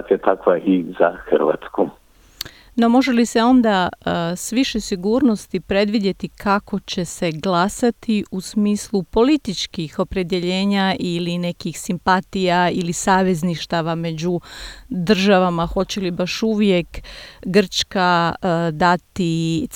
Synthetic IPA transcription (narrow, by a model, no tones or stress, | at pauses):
t̪iat̪akʋaʔiza̰xɾʋa̰ːt̪sku | no̞mo̞ʒe̞lise̞o̞nd̪asʋiʃesiɡuːɾno̞st̪ipɾe̞d̪ʋid̪je̞t̪ikʰako̞t͡ɕe̞se̞ɡlˠasat̪ʰiusmiːslˠupo̞lit̪it͡ʃkixo̞pɾe̞d̪je̞ʎe̞ːɲaʔiline̞kixsimpat̪ijailisaːʋe̞zniʃt̪aʋame̞d͡ʑud̪r̩ʒaʋamaxo̞t͡ɕelibaʃuʋje̞kɡr̩t͡ʃkad̪at̪i